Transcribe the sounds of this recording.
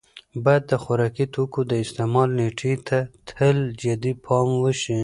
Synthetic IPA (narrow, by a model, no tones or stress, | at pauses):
bɑjad̪ːəxʊɾɑkit̪okod̪əɪst̪emɑlneʈʰet̪ʰat̪ʰəld͡ʒad̪ipʰɑmwəʃi